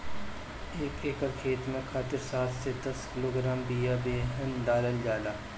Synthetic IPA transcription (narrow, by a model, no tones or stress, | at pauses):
eːkeːkəɾkʰeːt̪mẽkʰaːt̪ɪɾsaːt̪ʰsed̪ɐskɪloːɡɾaːmbijabeːɦənɖaːləld͡ʒaːlaː